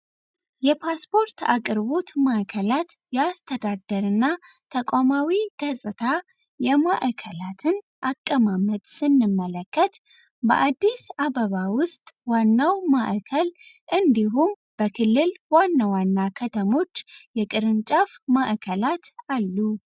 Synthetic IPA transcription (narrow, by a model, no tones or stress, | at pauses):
jɛpʰaspʰo̞ɾt̪a̰kʼɨɾβo̞t̪maʔkʰəlat̪jɛast̪ʰəd̪ad̪əɾɨnːa | t̪ʰəkʷʼamawiɡəsʼɨt̪ʰa | jɛmaʔkʰəlat̪ʰɨn | ʔakʼːəmamət̪ʼsɨnːɨmːələkʰːət̪ | bə̰ʔad̪ːisaβəβawʊst̪ʼwanːawmaʔkʰəl | ʔɨnd̪iɦum | b̥əkʰɨlːɨlwanːawanːakʰət̪ʰəmo̞t͡ʃːjɛkʼɨɾɨnt͡ʃʼafmaʔkʰəlat̪alːu